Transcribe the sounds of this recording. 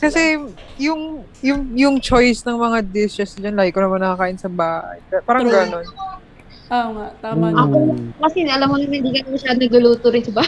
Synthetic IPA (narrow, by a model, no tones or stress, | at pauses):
kɐsɛjʊŋjʊŋjʊŋt͡ʃojsnɐŋmɐŋad̪ɪsɛsd͡ʒɐnlaːɡɪkonɐmanːɐkɐkaːʔɪnsɐbaːhɐ̰jd̪apaːɾɐŋɡɐno̞n | amat̪aːʔɐkokɐsɛʔɐlamːonɐŋhɪnd̪iːkɐnɐmɐʃaːd̪ʊnɐɡlʊluːt̪ʊɾɪnsɪba